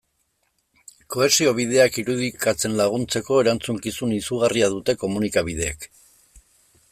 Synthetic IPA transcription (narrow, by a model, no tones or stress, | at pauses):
ko̞e̞sio̞β̞ið̞e̞akiɾuð̞ikat͡se̞nlaɣ̞unt͡se̞ko̞eɾant͡suŋkisunisuɣariaðut̪e̞ko̞munikaβið̞e̞ːk